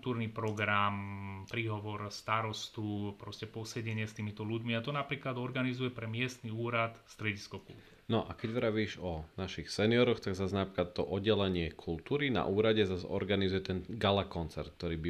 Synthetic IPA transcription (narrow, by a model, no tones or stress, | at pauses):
t̪uːɾnipɾɔɡɾampɾiːɦɔʋɔɾst̪aɾɔst̪upɾɔscɛpɔsɛɟɛɲɪɛst̪iːmit̪ɔluɟmiat̪ɔnapɾiːklad̪ɔɾɡanizujɛpɾɛmɪɛst̪niuːɾat̪st̪ɾɛɟiskɔkṵlu | nɔʔakɛɟʋɾaʋiːʒɔnaʃixsɛniɔɾɔxt̪aɡzaznapɾiklat̪ːɔʔɔɟɛlɛɲɪɛkʰult̪uːɾina̰ʔuːɾaɟɛzazɔ̰ɾɡanizujɛt̪ɛnɡalakɔnt͡sɛɾt̪̚k̚t̪ɔɾiːbi